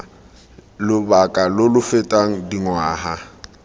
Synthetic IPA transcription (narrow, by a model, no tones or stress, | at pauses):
lʊbakʼalʊlʊfɪtʼaŋ̩diŋwaːha